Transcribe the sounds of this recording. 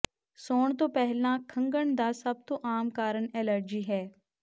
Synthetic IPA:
soːɳt̪õːpɛɦlãːkʰəŋɡəɳd̪aːsəb̚t̪õːʔaːmkaːɾəɳɛːləɾd͡ʒiːɦɛː

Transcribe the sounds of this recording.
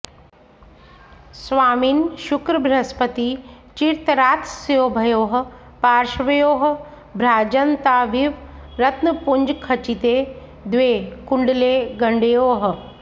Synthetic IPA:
sʋaːminʃukɾəbʱɾɐspət̪i | t͡ʃiɾt̪ɾaːt̪sjoːbʱɐjoːɦ̆ | paːɾʃʋɐjoːɦ | bʱɾaːd͡ʒɐnt̪aːʋiʋɾɐt̪nəpuɲd͡ʒkʰɐt͡ʃit̪eː | d̪ʋeːkuɳɖleːɡɐɳɖejoːɦə̆

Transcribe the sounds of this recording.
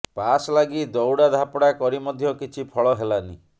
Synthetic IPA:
paslaɡid̪ɔwɽad̪ʱapɔɽakɔɾimɔd̪ʱjɔkit͡ʃʰipʰɔɭɔɦelani

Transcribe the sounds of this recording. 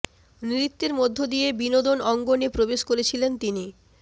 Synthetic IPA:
niɾit̪ːeɾmod̪ʱːod̪ijebinod̪onɔŋɡonepɾobeʃkoɾet͡ɕʰilent̪ini

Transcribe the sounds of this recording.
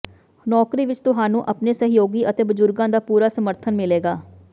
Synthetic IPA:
nɔːkɾiːʋɪt͡ʃt̪ʊɦãːnũːʔəpneːsəɦjoːɡiːʔət̪eːbəzʊɾɡãːd̪aːpuːɾaːsəməɾt̪ʰənmɪleːɡaː

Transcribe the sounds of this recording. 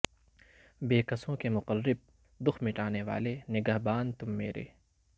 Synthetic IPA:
beːkɐsõkemʊqərːɪb̚ | d̪ʊxʰmɪʈaːneʋa̰ːlenɪɡɐɦbaːnt̪ʊmːeːɾḛː

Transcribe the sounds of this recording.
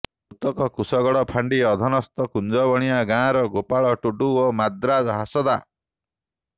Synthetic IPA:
put̪ɔkɔkusɔɡɔɽɔpʰaɳɖiɔd̪ʱɔnɔst̪ɔkund͡ʒɔbɔɽ̃iaɡãɾɔɡopaɭɔʈuɖuomad̪ɾad͡ʒɔɦasɔd̪a

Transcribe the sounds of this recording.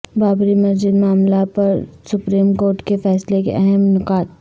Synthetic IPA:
baːbɾimɐsd͡ʒɪd̪maːmlapɐɾsʊpɾiːmkoːɾʈkefɛːslekḛʔɐɦɛmnʊkaːt̪̚

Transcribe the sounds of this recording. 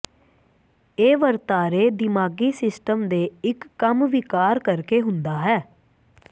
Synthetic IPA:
eːʋəɾt̪aːɾeːd̪ɪmaːɡiːsɪsʈəmd̪eːɪkːəmʋɪkaːɾkəɾkeːɦʊnd̪aːɦɛː

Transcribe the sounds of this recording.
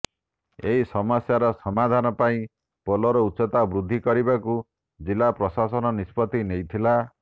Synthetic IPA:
eɦisɔmɔsjaɾɔsɔmad̪ʱanɔpaĩ | pɔlɔɾɔutːsɔt̪abɾud̪ʱːikɔɾibaku | d͡ʒilapɾɔsasɔnɔnispɔt̪inejt̪ʰila

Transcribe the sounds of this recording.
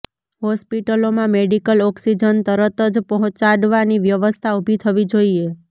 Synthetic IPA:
ɦɔspiʈəlomãmeɖikəlɔksid͡ʒənt̪əɾət̪əd͡ʒpɔɦɔ̃t͡ʃaɽʋaniʋjəʋəst̪ʰaubʱit̪ʰəʋid͡ʒoie

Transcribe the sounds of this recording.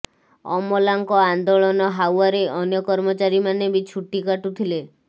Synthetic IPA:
ɔ̰mɔlaŋkɔand̪oɭɔnɔɦawaɾeʔɔnjɔkɔɾmɔt͡ʃaɾimanebit͡ʃʰuʈikaʈut̪ʰile

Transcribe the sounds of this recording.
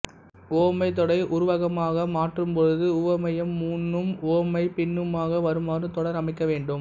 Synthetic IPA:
oːmɐɪt̪̬ɔɽɐɪʔʊɾʊʋɐɣɐmaːɣɐmaːʈrɯmpɔɻɯðɯʊʋɐmɐjɐmːuːnːɯmoːmɐɪpɪnːɯmaːɣɐʋɐɾɯmaːɾɯt̪ɔɽɐɾɐmɪkːɐʋeːɳɖɯm

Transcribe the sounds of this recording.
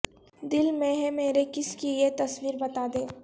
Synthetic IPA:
d̪ɪlmẽɦɛ̃meːɾekɪskijet̪ɐswiːɾbɐt̪aːd̪ẽː

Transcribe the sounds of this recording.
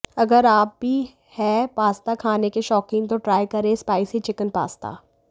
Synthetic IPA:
ɐɡəɾaːp̚bʱi | hɛːpaːst̪akʰaːnekeʃɔːkɪ̃ŋɡt̪oʈɾaːjkɐɾẽspaːɪsɦit͡ʃɪkənpa̰ːst̪a̰ː

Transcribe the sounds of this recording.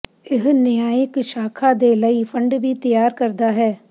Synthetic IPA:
ɪɦnɪjaːjɪkʃaːkʰad̪eːləifʰə̃ɳɖbʱit̪ɐjaːɾkɐɾd̪aɦɛː

